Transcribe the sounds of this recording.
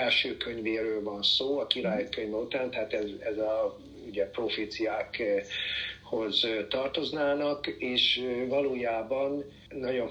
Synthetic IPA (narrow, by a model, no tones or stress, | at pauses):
ɛlʃøːkøɲveːɾøːlvɒnsoːɒkiɾaːjokøɲvot̪aːnt̪ɛɦaːt̪ɛzɛzɒ | uɟɛproːfeːt̪siaːk | ho̞zt̪ɒrt̪o̞znaːnɒkeːʃvɒloːjaːbɒnː | ɒɟo̞ɱ